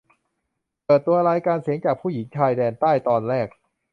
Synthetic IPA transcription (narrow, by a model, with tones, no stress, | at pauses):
pɤː˨˩t̪ːu˧ɐɾaː˧jkaː˧nsi˨˩˦əŋt͡ɕaː˨˩k̚pʰuː˥˩ji˩˦ŋt͡ɕʰaː˧jdɛː˧nt̪aː˥˩jt̪ɔː˧nɾɛː˥˩k̚